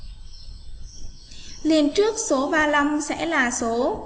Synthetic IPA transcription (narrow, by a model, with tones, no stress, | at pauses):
li˨˩əmt͡ɕɨ˦˥ək̚so˨˦vaː˨˩la˧˩msɛ̰˧˥laː˨˩so˨˦